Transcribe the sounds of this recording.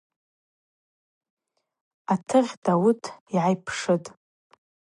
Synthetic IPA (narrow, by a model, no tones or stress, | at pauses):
atʰɨʁʲdawʊtʰiʕajpʰʂɨtʼ